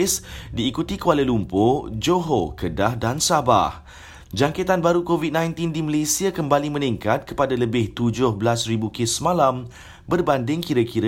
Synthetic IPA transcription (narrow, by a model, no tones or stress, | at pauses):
sdiːkut̪ikualəlumpod͡ʒoɦokədahdansaba̰h | d͡ʒaŋket̪anbaɾukovid̚nãjnt̪indiməlesiakəmbalimə̃niŋkat̪̚kə̥padaləbɪht̪ud͡ʒʊhbəlasribukɪsəmãlam | bərbandɪŋkiɾəkiɾə